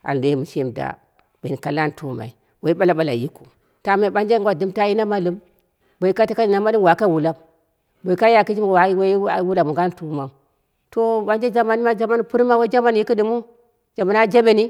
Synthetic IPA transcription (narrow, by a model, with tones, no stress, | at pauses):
a̰˨n˨de˨˦mu˨ʃe˦˨mda̰˨ | be˨ni˨ka˨la˦n˨tu˦ma̰˨i˨ | wo˨i˦ɓa˦la˨ɓa˦la˨ji˦ku˨ | ta˦ma˨ɓa˦nd͡ʒe˦ɡʷa˨dɨ˦mta˦ji˦na˦ma˦lu˦m | bo˨i˦ka˦ti˦ka˦i˨na˦ma˦li˦wa˨ka˦˨wu˨la˦m | bo˨i˨ka˦ja˨ki˦d͡ʒi˦m˨wa˨˦wa˦i˦a˨˦wu˦la˨mu˨ɡa˦n˦tu˦ma˨ | to˦ba˦nd͡ʒe˦d͡ʒa˦ma˦n˦ma˦d͡ʒa˦ma˦n˦pu˦ɾma˦wa˦d͡ʒa˦ma˦n˨ji˦ki˦di˦mu˦ | d͡ʒa˨ma˨na˦d͡ʒe˦be˦ni˦